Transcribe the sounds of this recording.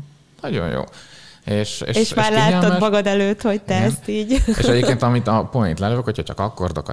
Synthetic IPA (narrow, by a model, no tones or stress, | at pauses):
nɒɟo̞̰ɲjo̰ːeːʃḛːeːʃmːaʃːrlaːɛtlːod̪ɛmɒɡɒd̪ɛløːt̪ho̞ct̪ɛɛnst̪iːɟḛʃɟep̪keːnt̪ɒmit̪ɒpoint̪lɛløvøkhochɒcʰɒkɒkːo̞rd̪o̰kɒ̰